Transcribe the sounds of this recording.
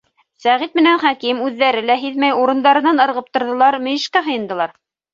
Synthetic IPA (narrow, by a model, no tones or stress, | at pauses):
sæʁit̪mɘ̆nænχækimʉðːæɾɘlæɦiðmæjuɾɤ̆nd̪ɑɾɤ̆nɑnɤ̆ɾʁɤp̚t̪ŏɾðɤ̆lˠɑɾmɵ̆jɘ̆ʃkæɦɤ̆jɤ̆nd̪ɤ̆lˠɑɾ